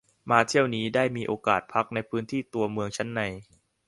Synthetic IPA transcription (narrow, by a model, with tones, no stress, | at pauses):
maː˧t̪ʰi˥˩əwniː˦˥daː˥˩jmiː˧ʔoː˧ka̰ː˨˩t̪̚pʰa˦˥k̚na˧jpʰɯː˦˥nt̪ʰiː˥˩t̪u˧ɐmɯ˧əŋt͡ɕʰa˦˥nːa˧j